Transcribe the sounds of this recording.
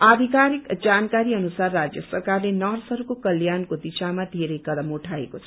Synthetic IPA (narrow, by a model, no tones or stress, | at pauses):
ad̪ʱikaɾikd͡zankaɾiʌnusarːad͡zjʌsʌrkarlenʌrsʌɾukokʌljankod̪isamad̪ʱeɾʌjkʌd̪ʌmuʈʰaekot͡sʰʌ̥